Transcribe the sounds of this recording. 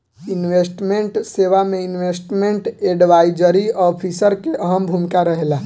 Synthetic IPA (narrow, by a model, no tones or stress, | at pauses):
ɪnʋeːsʈmẽɳʈseːʋamẽɪnʋesʈmẽɳʈeɖʋaːɪd͡ʒəɾiɔpʰisəɾkeʔəɦəmbʱumɪkaɾəɦela